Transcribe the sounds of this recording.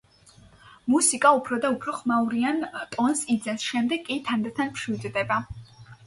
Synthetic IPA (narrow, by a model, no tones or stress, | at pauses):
musikʼaupʰɾɔd̪aupʰɾɔχmauɾiant̪ʼɔnsid̪zɛsʃɛmd̪ɛɡkʼːit̪ʰand̪at̪ʰanpʰʃwid̪d̪ɛba